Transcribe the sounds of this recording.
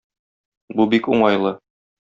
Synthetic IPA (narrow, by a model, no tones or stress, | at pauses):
bubikuɴɑjlˠɤ